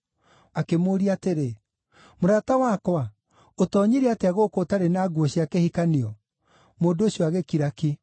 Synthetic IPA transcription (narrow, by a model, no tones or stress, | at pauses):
akemoːɾiateɾe | moɾatawakwa | otɔɲiɾeateaɣokotaɾenaːɡwɔɕiakehikaniɔ | moːndooɕiɔaɣekiɾaki